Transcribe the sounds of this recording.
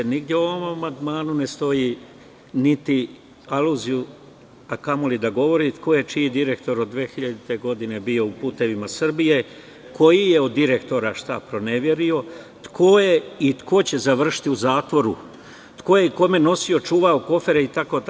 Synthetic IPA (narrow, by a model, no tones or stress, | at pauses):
eniɡd̪jeoʋommːand̪maːnune̞st̪o̞ji | nit̪i | aluziju | akamolid̪aɡo̞ʋo̞ɾit̪kʰo̞je̞t͡ʃijid̪iɾe̞kt̪o̞ɾod̪ʋeːxiʎad̪it̪e̞ɡo̞d̪ine̞bio̞upuːt̪e̞ʋimasr̩bije̞ | kʰo̞jije̞od̪ːiɾe̞kt̪o̞ɾaʃt̪apɾo̞ne̞ʋje̞ɾio̞ | t̪kʰoje̞it̪kʰo̞t͡ɕe̞zaʋr̩ʃi̥t̪iuzaːt̪ʋo̞ɾṵ | t̪ko̞jeiko̞me̞no̞sijo̞t͡ʃuːʋaoko̞fe̞ɾeit̪ako̞t̪